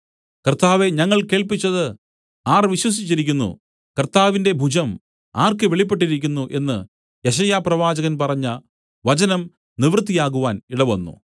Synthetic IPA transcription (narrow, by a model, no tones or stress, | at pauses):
kɐrt̪aːʋe̞ɲɐŋːɐɭke̞ːɭpit͡ɕːɐðɨ | aːrʋiɕwɐs̬it͡ɕːiɾikʲːunːṵ | kɐrt̪aːʋinde̞bʱud͡ʑʱɐm | aːrkɨʋe̞ɭip̬ːe̞ʈːiɾikʲːunːuʔe̞nːɨ | je̞ɕ̬ɐjaːprɐʋaːd͡ʑɐɣɐnpɐrɐɲːɐ | ʋɐt͡ɕɐnɐm | niʋrɨt̪̬ːijaːɣuʋaːniɽɐʋɐnːṵ